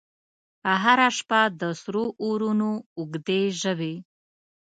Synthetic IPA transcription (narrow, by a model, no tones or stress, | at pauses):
əɦaɾaʂpad̪əsɾoʔoɾunoʊɡd̪eʒəwe